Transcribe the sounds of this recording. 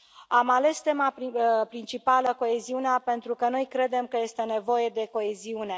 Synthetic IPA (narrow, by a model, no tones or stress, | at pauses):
amale̞st̪e̞mappɾint͡ʃipaləko̞e̞ziuneape̞nt̪ɾukəno̞jkɾe̞d̪e̞mkəje̞st̪e̞ne̞vo̞je̞d̪e̞ko̞e̞ziune̞